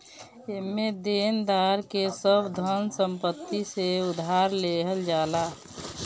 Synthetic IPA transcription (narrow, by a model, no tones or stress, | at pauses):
emːed̪end̪aɾkesəbd̪ʱənsəmpət̪ːiseʊd̪ʱɦaɾleɦəld͡ʒaːla